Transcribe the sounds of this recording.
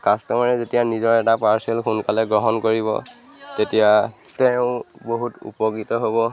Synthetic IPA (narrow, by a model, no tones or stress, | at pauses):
kastɔmaɹɛzetijanizɔɹɛtapaɹsɛlxunkalɛɡɹɔɦɔnkoɹiβɔ̰ | tetija | tɛʊ̃boɦutṵpɔɡitɔɦobɔ